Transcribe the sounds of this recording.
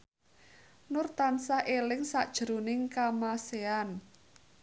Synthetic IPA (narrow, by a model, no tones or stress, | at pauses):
nʊrt̪ansaʔelɪŋsaʔd̥ʒ̥ɾunɪŋkamasean